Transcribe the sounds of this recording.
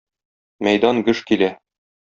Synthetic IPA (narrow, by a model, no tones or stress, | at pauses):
mæjd̪ɑnɡɘʃkilæ